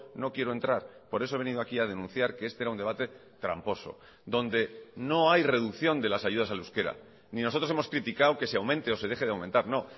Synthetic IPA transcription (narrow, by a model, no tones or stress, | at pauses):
no̞kje̞ɾoe̞nt̪ɾaɾpo̞ɾe̞soee̞niðoakiað̞e̞nũn̟θjaɾkeest̪eeɾaund̪e̞βat̪e̞ | t̪ɾa̰mpo̞so̞̰ | d̪o̞nd̪e̞no̞ajre̞ðukθjo̞nd̪e̞lasaʝuð̞asaluske̞ɾa̰ | nĩnoot̪ɾsemo̞skɾit̪ikawke̞seawmẽ̞nt̪eo̞se̞ðe̞xe̞ðawment̪aɾno̞